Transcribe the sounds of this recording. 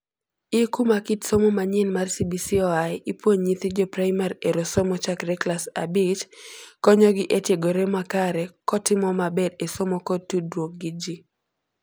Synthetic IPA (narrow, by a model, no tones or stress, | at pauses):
ɪkumakitsomomaɲɪnmarsibisiɔajipwoɲɲit̪id͡ʒɔpraɪmaɾeɾosomɔt͡ʃakrɛklasa̰bɪt͡ʃkɔɲɔɡɪʔetjeɡoɾemakaɾɛkɔtɪmɔmabɛdesomokɔtːudɾwok̚ɡɪd͡ʒi